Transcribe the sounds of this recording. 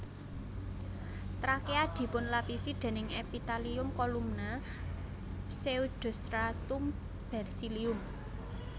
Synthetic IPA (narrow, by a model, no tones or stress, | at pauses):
t̪ɾakead̪̥i̤pʊnlapisid̪̥e̤nɪŋepit̪aliʊmkɔlumna | seud̪̥ɔ̤st̪ɾat̪um | b̥ɛ̤rsiliʊm